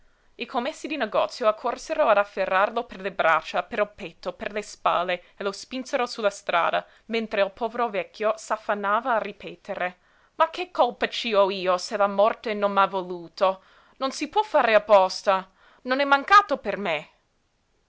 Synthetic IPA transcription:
ikʰomːesːid̪ineɡɔ̰ːt̪sːjoakʰːorseɾoad̪afːerːarloperlebɾa̰t͡ʃːapeɾopet̪ːoperlespa̰ːlːe | elospinseɾosulast̪ɾa̰ːd̪a̰ | ment̪ɾeilpʰɔːveɾovɛkʰːjosafːanːaːvaːripʰeːt̪ʰeɾe | makʰːekʰːolpat͡ʃiɔiːoselamɔrt̪enonmavoluːt̪o | nonsipwɔfːaːɾeapːɔst̪a | nonɛmːaŋkaːt̪operme

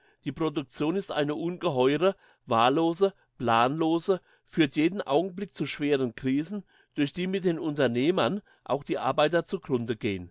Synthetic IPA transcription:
d̥iːpʁ̥odʊk̚t͡sjoːnɪstʔa̰ɪnəʔuːnɡəɦɔʏʁə | vaːɐloːzə | plaːnloːzə | fyːɐtjeːdn̩ʔa̰ʊɡŋ̩blɪk̚t͡suʃv̥eːʁənkʁ̥iːzn̩ | d̥ʊɐçd̥iːmɪt̚d̥eːnʊntɐneːmɐn | ʔa̰ʊxd̥iːʔa̰ɐbaɪtɐt͡suɡʁʊndəɡeːən

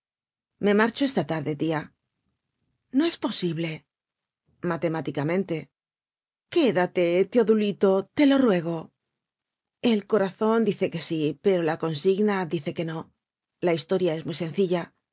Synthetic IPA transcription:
me̞maɾt͡ʃo̞e̞st̪at̪aɾðe̞t̪ia | no̞e̞spo̞siβle̞ | mat̪e̞mat̪ikamẽ̞nt̪e̞ | ke̞ðat̪e̞t̪eoðulit̪o̞t̪e̞lo̞rwe̞ɣ̞o̞ | e̞lko̞ɾaθo̞nd̪iθe̞ke̞sipe̞ɾo̞lako̞nsiɣnaðiθe̞ke̞no̞ | laist̪o̞ɾjae̞zmijsẽ̞n̟θiʎa

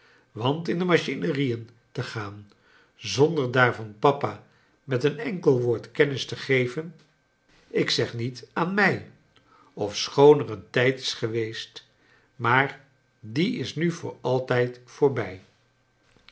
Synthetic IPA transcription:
ʋɑntɪndəmaʃinərijən | təχaːn | zɔndəɹdaːɹvɑnpɑpa | mɛtənɛŋkəlˠʋʊːɹtkɛnɪstəχejvən | ɪksɛχnitaːnmɛj | ɔfsχownərəntɛjtɪ̥sχəʋejst | maːɹ | diɪsnyvʊ̰ːɹɑlˠtɛjtfʊːɹbɛj

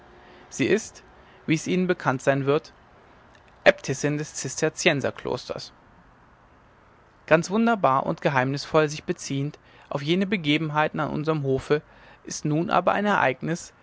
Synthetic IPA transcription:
z̥iːʔɪst | viːɛsʔiːnənbəkʰantz̥aɪnvɪɐt | ʔɛptʰɛsɪndɛst͡sɪstʰɛɐt͡sjɛnzɐ̰kl̥o̰ːstʰɐ̰s | ɡ̥ant͡sv̥ʊndɐbaːɐʔʊ̰ntɡ̥əɦaɪmnɪsfɔlzɪçb̥ət͡siːənt | ʔaʊfjeːnəbəɡeːbm̩ɦaɪtn̩anʔʊ̰nzəʁəmɦoːfə | ʔɪstnuːnʔa̰ːbɐʔa̰ɪnɛɐʔa̰ɪɡnɪs

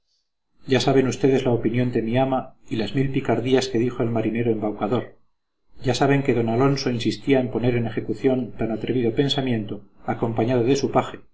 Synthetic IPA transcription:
ɟ͡ʝasaβe̞nust̪e̞ðe̞zlaopinjo̞nd̪e̞miamailazmilpikaɾðiaske̞ðixo̞elmaɾine̞ɾo̞e̞mbawkaðo̞ɾ | ɟ͡ʝasaβe̞ŋke̞ðo̞nalo̞nso̞insist̪iaempo̞ne̞ɾe̞ne̞xe̞kuθjo̞nt̪anat̪ɾe̞βiðope̞nsamjẽ̞nt̪oako̞mpaɲaðoðe̞supaxe

